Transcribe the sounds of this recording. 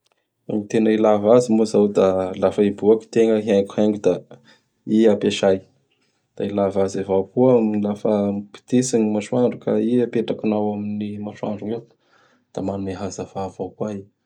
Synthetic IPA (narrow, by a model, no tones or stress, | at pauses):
amit̪enailavazimozawd̪alafaibuaki̥t̪eŋəɦiaŋku̥haŋɡud̪a | iapeʃaj | d̪̥ailavazavakuminlafəmipi̥t̪isiŋimaʃwaɳɖ͡ʐukaiəpeʈ͡ʂakinawaminimaʃwa̰ɳɖ͡ʐuŋe | d̪̥amanuneɦazavav̥akwai